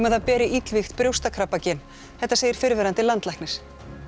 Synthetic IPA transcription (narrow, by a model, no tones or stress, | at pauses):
mɛðapɛːɾɪʔit̪lvixt̪pɾjowst̪akʰɾapacɪn | θɛht̪aseːjɪɾ̥fɪɾvɛɾant̪ɪlant̪lajhknɪɾ̥